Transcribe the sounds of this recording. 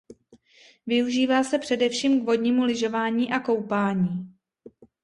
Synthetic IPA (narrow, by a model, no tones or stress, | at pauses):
vɪuʒiːvaːsɛpr̥ɛdɛfʃiːmkvo̞dɲiːmulɪʒo̞vaːɲiːʔako̞wpaːɲiː